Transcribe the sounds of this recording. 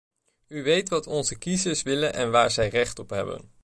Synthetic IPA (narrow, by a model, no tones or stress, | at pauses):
yʋejtʋɑtɔnzəkizəɹsʋɪlənʔɛ̰nʋaːɹzɛjrɛχtɔpɦɛ̰bə̰n